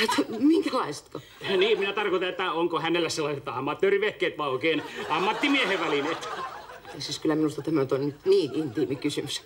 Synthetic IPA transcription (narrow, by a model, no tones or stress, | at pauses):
et̪miŋkælɑist̪ko | niːmminæt̪ɑrkoit̪ɑet̪ːæoŋkohænelːæsselːɑiset̪ɑmːɑt̪ːøːriʋehkeːt̪ʋɑːoˑikeːnɑmːɑt̪ːimieheʋʋælinet̪esiskylːˑæminust̪ɑt̪æmænyt̪oniniːnint̪imikysymys